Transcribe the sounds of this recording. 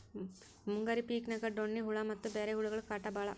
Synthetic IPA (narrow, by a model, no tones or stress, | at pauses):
muŋɡaɾipiːknɐɡɐɖoɳːiɦuɭɐmɐt̪ːubeːɾeɦuɭuɡɐɭukaːʈːɐbaːɭɐ